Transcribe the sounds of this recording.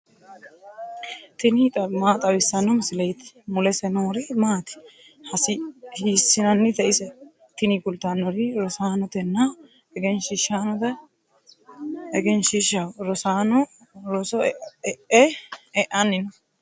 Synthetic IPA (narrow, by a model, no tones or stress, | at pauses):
t̪ɪnit̪maːt̪ʼɐbɪsːɐnːɔmɪsɪlɛjt̪ɪ̥mʊlɛsɛnoːɾɪmaːt̪ɪ̥ | hɐsɪhiːsːɪnɐnːɪt̪ɐʔɪsɛ | t̪ɪnikʊlt̪anːɔɾɪɾɔsaːnɔt̪ɛnːa | ɛɡɛnʃɪʃaːnɔt̪ɐ | ɛɡɛnʃɪʃawɾɔsaːnɔ | ɾɔsɔʔɛʔɛɛʔɐnːɪnɔ